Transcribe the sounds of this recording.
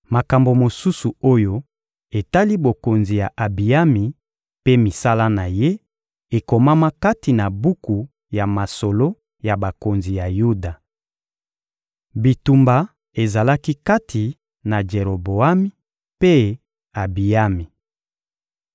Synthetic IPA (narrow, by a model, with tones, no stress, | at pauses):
ma˨ka˨mbo˨mo˨su˦su˨o˦jo˦ | e˨ta˦li˦bo˨ko˨nzi˨ja˨ʔa˨bi˨a˦mi˨ | pe˦mi˨sa˦la˦na˨je˦ | e˨ko˨ma˦ma˦ka˦ti˨na˨bu˦ku˨ | ja˨ma˨so˨lo˦ | ja˨ba˨ko˨nzi˨ja˨ju˦da˨ | bi˨tu˨mba˨ | e˨za˨la˦ki˦ka˦tʰi˨ | na˨d͡ʒe˨ʁo˨bo˨a˦mi˦ | pe˦ | a˨bi˨a˦mi˨